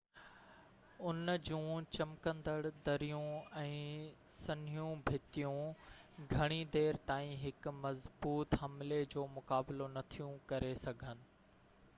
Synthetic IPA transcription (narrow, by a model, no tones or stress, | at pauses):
ʊnd͡ʑũːt͡ɕɐmkə̃nd̪əɽd̪ɐɾijũɛ̃ːsɐnijũbʱɪt̪ijũɡʱɐɽ̃id̪eːɾt̪aːĩɦɪkmɐzbuːt̪ɦɐmled͡ʑoːmʊkaːbɪlonɐt̪ʰijũkɐɾesɐɡʱənɪ̆